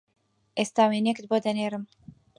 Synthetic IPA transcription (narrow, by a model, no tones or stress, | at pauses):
ʔest̪aːwenekɨt̪̚boːd̪ɐneːɾɨm